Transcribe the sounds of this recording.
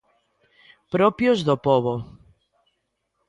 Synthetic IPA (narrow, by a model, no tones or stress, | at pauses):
pɾopjozðopoβo